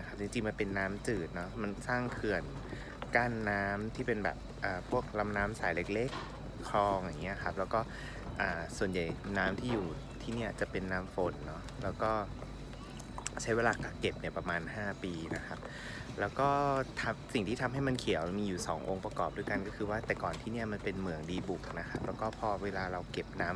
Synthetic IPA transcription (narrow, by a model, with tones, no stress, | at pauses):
na˦˥kʰa˦˥p̚t͡ɕi˧ŋt͡ɕi˧ŋma˧npe˧nːaː˦˥mt͡ɕɯː˨˩t̪̚nɔ˦˥ma˧nsaː˥˩ŋkʰɯ˨˩ən | kaː˥˩nːaː˦˥mt̪ʰiː˥˩pe˧nbɛ̰ː˨˩p | ʔaː˨˩pʰu˥˩ək̚la˧mnaː˦˥msaː˩˦jle˦˥˩k̚le˦˥˩kʰː | ɾɔː˧ŋja˨˩ŋːi˦˥ɐ˨kʰa˦˥p̚lɛː˦˥wkɔː˥˩ | ʔaː˨˩su˨˩ənja˨˩jnaː˦˥mt̪ʰiː˥˩juː˨˩ | t̪ʰiː˥˩ni˥˩ɐt͡ɕa˨˩pe˧nːaː˦˥mfo˩˦nːɔ˦˥ | lɛː˦˥wkɔː˥˩ | t͡ɕʰa˦˥jweː˧laː˧ka˨˩ke˨˩p̚ni˥˩ɐpɾa˧maː˧nhaː˥˩piː˧na˦˥kʰa˦˥p̚ | lɛː˦˥wkɔː˥˩t̪ʰa˧msi˨˩ŋt̪ʰiː˥t̪ʰa˧mɦa˥˩jma˧nkʰi˩˦wmiː˧juː˨˩sɔː˩˦ŋʔo̰˧ŋpɾa˧kɔː˨˩p̚du˧˥˩jka˧nkɔː˥˩kʰɯː˧waː˥˩t̪ɛː˨˩kɔː˨˩nt̪ʰiː˥˩ni˥˩ɐma˧npe˧nmɯ˨˩əŋdiː˧bu˨˩k̚na˦˥kʰa˦˥p̚lɛː˦˥wkɔː˥˩pʰɔː˧weː˧laː˧ɾa˧wke˨˩p̚naː˦˥m